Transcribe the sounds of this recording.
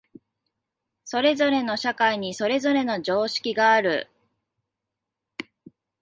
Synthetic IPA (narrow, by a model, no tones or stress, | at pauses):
so̞ɾe̞zo̞ɾe̞no̞ɕakaiɲ̟iso̞ɾe̞zo̞ɾe̞no̞d͡ʑo̞ːɕi̥kʲiɡaːɾɯ̟̰